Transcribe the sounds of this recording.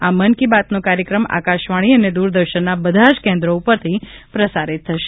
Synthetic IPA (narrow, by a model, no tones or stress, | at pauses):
amənkibat̪nokaɾjəkɾəma̰kaʃʋaɽ̃iəned̪uɾd̪əɾʃənːabəd̪ʱaʃkẽnd̪ɾoupəɾt̪ʰipɾəsaɾit̪ʰːəʃe